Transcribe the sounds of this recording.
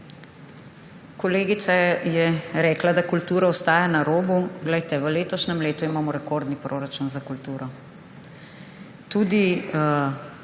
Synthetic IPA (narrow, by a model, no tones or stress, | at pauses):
kɔleːɡit̪sajɛɾɛːklad̪akult̪uːɾaɔst̪aːjanaɾoːbuɡlɛjt̪ɛʋəleːt̪ɔʃnɛmleːt̪uimaːmɔɾɛkoɾd̪nipɾʔoːɾat͡ʃunzakult̪uːɾɔ | t̪uːd̪i